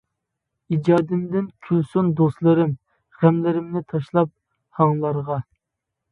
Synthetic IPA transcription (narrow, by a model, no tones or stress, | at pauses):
id͡ʒɑːd̪ɪmd̪ɪnkʲʰylsund̪ost̪lˠɨɾɪm | ʁæmlɪɾɪmnɪt̪ʰɑʃlˠɑp̚ | hɑŋlˠɑɾʁɑ